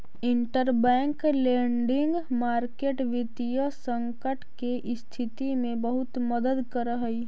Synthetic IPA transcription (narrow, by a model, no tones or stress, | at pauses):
ɪɳʈəɾbɛ̃ːŋklẽːɳɖɪ̃ŋɡmaːɾkeːʈʋɪt̪ijəsə̃ŋkəʈkeʔɪst̪ʰɪt̪imẽbəɦʊt̪məd̪əd̪kəɾəɦəi